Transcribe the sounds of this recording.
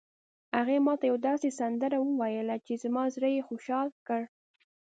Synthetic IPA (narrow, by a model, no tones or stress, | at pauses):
haɣemɑt̪ajawd̪ɑsesand̪əɾawəwajəlat͡ʃezamɑzɾəjexoʃɑlkəɽ